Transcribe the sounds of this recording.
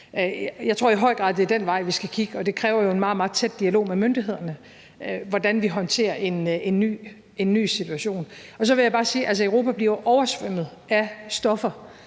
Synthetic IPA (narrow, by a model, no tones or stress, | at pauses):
jɑ̈ɪt͡sʰʁo̝ɐ̰iɦɒ̽ɪ̰ɡ̥ʁɑ̈ðˠd̥e̝æɐd̥enʋɑ̈ɪ̰ʋisɡ̥ækʰiɡ̥əɒ̽d̥e̝kʰʁɛːʊɐjo̝e̝nmɑ̈ːð̩mɑ̈ːð̩ˠt͡sʰed̥̚d̥iælo̝̰ːmemønd̥iɦe̝ð̰ˠɐnə | ʋɒd̥ænʋiɦɒ̽nt͡sʰe̝̰ːɐʔe̝ne̝nːy̰ː | e̝nːy̰ːsit͡sʰuæɕo̝̰ːn | ɒ̽sɒ̽ʋe̝jɪb̥ɑ̈ːsiːʔæls̬əøʊʁo̝̰ːpʰæb̥liɐʔɒʊɐsʋøm̰ð̩ˠ | æsd̥ɒ̽fɐ